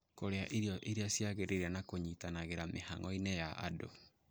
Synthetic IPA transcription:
koɾeaʔeɾeɔʔeɾeasiaɣeɾeɾanakoɲitanaɣeɾameha̰ŋɔinejaʔa̰do̰

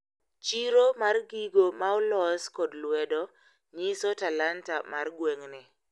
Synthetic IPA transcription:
t͡ʃiɾomarɡiɡomaɔlɔskɔdlwɛdɔ | ɲisotalantamarɡweŋnɪ

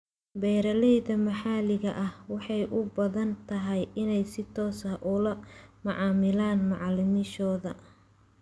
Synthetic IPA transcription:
bɛːɾɐlɛjðɐmɐħɑlɪɣɐʔɐhwɑħɑjʔʊbɐðɐnt̪ʰɐɦɛjɪnɛjsɪt̪ʰɔːsɐʔʊlɐmɐʕɑːmɪlaːnmɑʕɑlɪmɪʃɔːðɐ

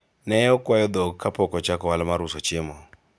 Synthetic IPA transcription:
nɛɔkwajɔd̪ɔkapɔkɔt͡ʃakɔwalɛmaɾusɔt͡ʃemɔ

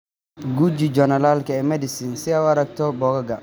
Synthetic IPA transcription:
ɡud͡ʒid͡ʒɔnɐlalkɐɛmɛdɪsɪnsɪawaɾɐk̚t̪ʰɔbɔɡɐɡɐ

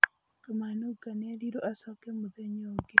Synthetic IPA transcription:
kamanuɡaneɾiɾoʔasɔkemud̪eɲoɡe

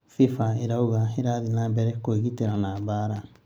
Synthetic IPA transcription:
fifaiɾauɡaiɾadinabɛɾɛkoɡitɛɾanabaːɾa

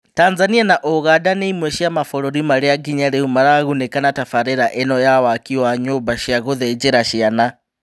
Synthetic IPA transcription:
taːnzanianaʔoɣadaneimweʃiamafoloɾimaɾiaɡiɲaɾeumaɾaɣunekanatafaɾeɾaʔenɔjawakiwaɲubaʃiaɣoðed͡ʒeɾaʃiana

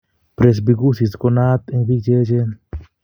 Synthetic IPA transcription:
pɾes̬biɡusiskonaːt̪ẽvid͡ʒed͡ʒe

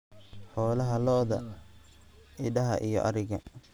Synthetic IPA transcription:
ħɔːlɐɦɐlɔːðɐ | ɪɖɐɦɐ̰ʔijɔ̰ʔɐɾɪɣɐ

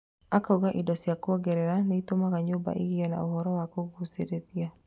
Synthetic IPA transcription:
akauɣaʔidɔsiakuɔɡɛɾɛɾanɛit̪omaɣaɲoba̰ʔiɡiɔna̰uhɔɾɔwakoɡusedeðia

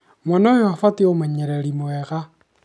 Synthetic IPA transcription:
mɔnojoafatiomaɲɛɾeɾimwɛɣa

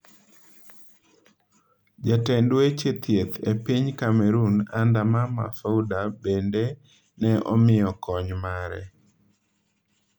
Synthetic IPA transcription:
d͡ʒatɛndwet͡ʃet̪jet̪ʰepiɲkamɛɾunandamama̰faudabende | nɛʔɔ̰mɪjɔkɔɲmaɾɛ̰

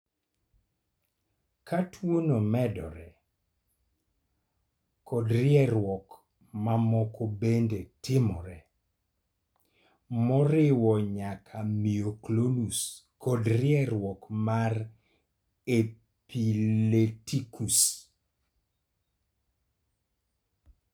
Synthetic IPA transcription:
kʰatʰwonomɛdɔ̰ɾɛ | kɔdɾɪɛɾwɔk | mamɔkʰobendetɪmɔɾɛ | mɔɾɪwɔɲakʰamioklonuskɔdɾɪɛɾwɔkmar | e | piletikus

